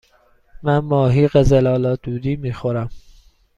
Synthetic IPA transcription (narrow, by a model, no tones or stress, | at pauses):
mænmɒːɦiːɣezelɒːlɒːd̪̥uːd̪iːmiːxoɾæm